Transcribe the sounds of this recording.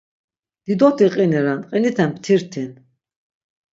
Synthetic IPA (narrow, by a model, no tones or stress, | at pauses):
d̪̥id̪ɔt̪ʰiqʼinɛɾanʼqʼinit̪ʰɛmpʰt̪ʰiɾt̪ʰɛn